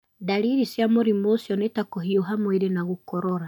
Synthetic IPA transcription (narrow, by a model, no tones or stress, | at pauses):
daɾiɾisjamoɾimoːsjɔnetakoɦioɦamweɾenaɣokɔɾɔɾa